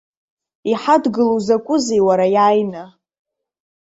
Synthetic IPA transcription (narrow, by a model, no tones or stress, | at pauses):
iħadɡɨlowzakʷʼʊzejwaɾajajna